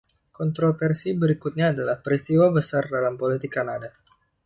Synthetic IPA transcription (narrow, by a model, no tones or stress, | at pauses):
kɔnt̪ɾofɛrsibəɾikut̪̚ɲaːdalahpəɾist̪iwabəsardalampolit̪ɪkːanada